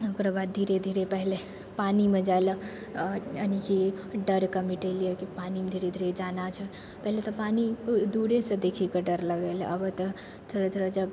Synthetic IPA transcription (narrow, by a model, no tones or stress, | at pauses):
okɾabad̪̚d̪ʱiɾed̪ʱiɾepəɦle | panimed͡ʒaelə | ənikiɖəɾkəmiʈelijəkipanimed̪ʱiɾed̪ʱiɾed͡ʒanat͡ʃʰə | pəɦlet̪ɔpanid̪uɾesə̃d̪ekʰikəɖəɾləɡəl̰əbət̪ə | t̪ʰoɾət̪ʰoɾɔd͡ʒəb